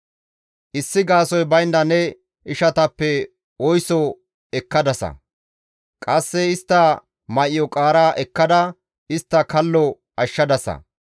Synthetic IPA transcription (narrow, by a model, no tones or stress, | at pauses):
ʔɪsːɪɡaːsɔjbɐjnd̪ɐnɛ | ɪʃɐt̪ɐpːɛ | ɔjsɔ | ɛkːɐd̪ɐsɐ̰ | kʼɐsːɛɪst̪ːɐ | mɐʔɪjɔkʼaːɾaːʔɛkːɐd̪ɐ | ɪst̪ːɐkɐlːɔ | ɐʃːɐd̪ɐsɐ̰